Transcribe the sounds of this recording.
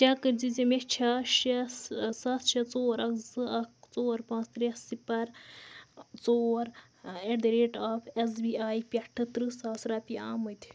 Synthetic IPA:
t͡ʃʲaːkɨɾd͡zizʲemet͡ʃʰaːʃɐsaːt̪t͡ʃʰɐt͡soːɾɐkzɨɐkt͡soːɾpãːt͡st̪ɾesipɐɾ | t͡soːɾ | eɖd̪ɾeːʈaːfʰes̬biːaːjpʲɐʈʰɨt̪ɾɨsaːsɾaːpʲiaːmɨt̪ʰʲi̥

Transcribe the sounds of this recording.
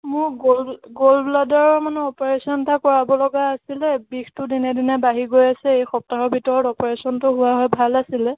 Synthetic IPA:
mʊɹɡolɡolbladɔɹɔmanɛɔpɔɹesɔntakɔɹabɔlɔɡaːsilɛbixtʊdinɛdinɛbaɦiɡojasɛejxɔp̚taɹɔɹbʱitɔɹɔtɔpɔɹesɔntʊɦʊwaɦɔjbʱalasilɛ

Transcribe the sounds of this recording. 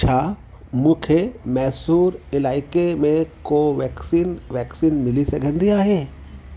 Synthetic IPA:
t͡ʃʰaː | mʊ̃kʰjemɛːsuːɾɪlaːɪkemẽkoʋɛːksiːnʋɛːksiːnmɪliseɡʱɐ̃nd̪ijaɦɛː

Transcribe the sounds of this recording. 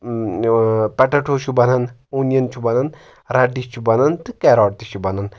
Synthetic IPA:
pɐʈɐʈʰoːt͡ʃʰubɐnɐnuːnijɐnt͡ʃʰubɐnɐn | ɾɐɖit͡ʃʰubɐnɐnt̪ɨkeɾɔːʈt̪iʃʰubɐnɐn

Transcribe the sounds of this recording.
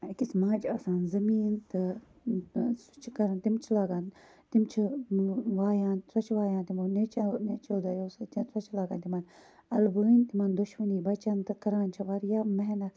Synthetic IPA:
kismaːd͡ʒaːsaːnzɐmiːnt̪ɨ | su̥t͡ʃʰkɐɾɐnt̪imt͡ʃʰilaːɡãːn | t̪imt͡ʃʰi | ʋaːjãːnsɐt͡ʃʰʋaːjãːnt̪imonet͡ʃnet͡ʃɐd̪ajoːst̪sɐt͡ʃʰlaːɡaːnt̪imanɐlbuint̪imand̪uʃmɐniːbɐt͡ʃant̪ɨkɐɾaːnt͡ʃʰɐʋaɾjaːmɐɦnɐt̪

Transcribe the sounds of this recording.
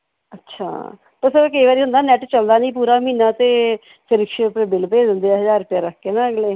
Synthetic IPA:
ətːʃʰa̰ː | t̪əsəɾkəiːʋaːɾiːɦʊ̃nd̪aːnɛːʈt͡ʃəld̪aːnĩːpuːɾaːmiːnaːt̪eː | pʰɪɾɪkʃepːbɪlpeːd̪ɪ̃nd̪eːɦəzaːɾʊpɪjaːɾəkʰːeːnãːəɡleː

